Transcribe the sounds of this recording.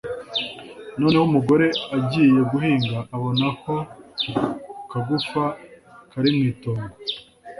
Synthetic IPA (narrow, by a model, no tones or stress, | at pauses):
no̞ːne̞humuɡo̞ɾe̞aɟiːje̞ɡuhiːŋɡaʔːβo̞nako̞ | kaɡufakaɾimŋiːtoːŋɡo